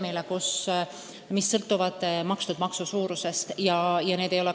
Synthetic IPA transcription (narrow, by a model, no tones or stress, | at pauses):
milekus | misːɤlt̪ːˑuvɑd̪̥mɑkst̪ud̪̥mɑksusuːɾuse̞st̪jɑjɑneːd̪e̞jo̞le̞